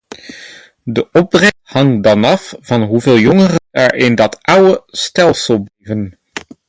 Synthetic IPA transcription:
dəʔɔb̚drɛhɑŋdɑnɑfv̥ɑnɦuveːlˠjɔŋərənɛɹɪndɑtʔʌwəstɛlˠsəlˠblijvən

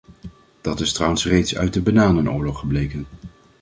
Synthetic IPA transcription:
d̥ɑtɪstrɑwənsrejtsœ̰ɥt̚dəbənaːnənʊːɹlɔχːəblejkən

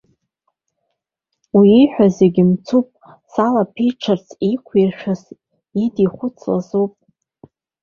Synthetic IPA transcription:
wiːħʷᶣazeɡʲimt͡sʰupʼ | salapʰiʈ͡ʂʰart͡sʰikʷʰirʃᶣas | idiχʷʊt͡sʰla̰zowpʼ

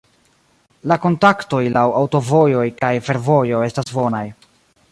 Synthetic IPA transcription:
lako̞ntakto̞jlawawto̞vo̞jo̞jkajfe̞ɾvo̞jo̞e̞stasbo̞naj

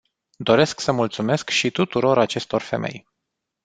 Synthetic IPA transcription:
d̪o̞ɾe̞sksəmult̪sume̞skʃit̪ut̪uɾo̞ɾat͡ʃe̞st̪o̞rfe̞̰mʔe̞̰j

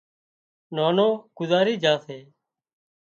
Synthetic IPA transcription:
naːnoːkʊzaːɾiːd͡ʒaːseː

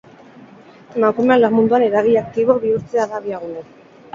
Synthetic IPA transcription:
makumanlamũnd̪uaneɾaɣiak̚t̪iβoβiuɾt̪eaðaβjaɣune

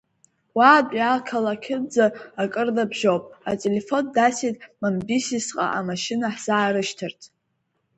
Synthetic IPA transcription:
waːdalkʰalakʲʰɪb̚d͡zaːkʼɨrdabʒowpʼa̰tʼelefo̞ndasitʼmambisisqʼa̰ʔamaʃɪnaħz̥aːɾɨʃtʰɨrtʰʼ

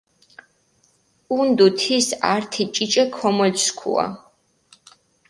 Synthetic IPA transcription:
und̪ut̪ʰisaɾt̪ʰit͡ʃʼit͡ʃʼɛkʰɔmɔlskʰṵa̰

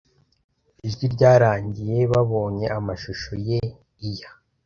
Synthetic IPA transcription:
iʒɡiɾɟaːɾaːɲɟije̞βaβo̞ːɲe̞ʔamaʃuʃoje̞ | ija

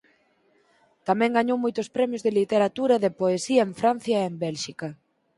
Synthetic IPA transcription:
t̪amɛ̃ŋɡaɲowmojt̪ʊspɾɛmjozðɪlit̪eɾat̪uɾɐðɪpoesiɐeɱfɾan̟θjɐembɛlʃikɐ

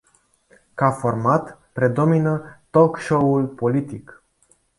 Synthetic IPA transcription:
kafo̞rmat̪pɾe̞d̪o̞minət̪okʃoulpo̞lit̪ik

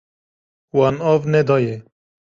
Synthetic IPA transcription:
wɑnɑvnɛd̪ɑːjɛ

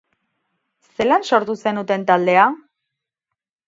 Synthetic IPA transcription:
se̞lanso̞ɾt̪use̞nut̪e̞nt̪ald̪e̞a

